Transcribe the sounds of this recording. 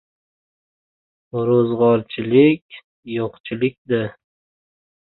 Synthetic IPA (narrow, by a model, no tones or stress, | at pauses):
ɾozʁɒɾt͡ʃʰɪlɪkʲ | joqt͡ʃʰɪlɪk̚ʲd̪ɪ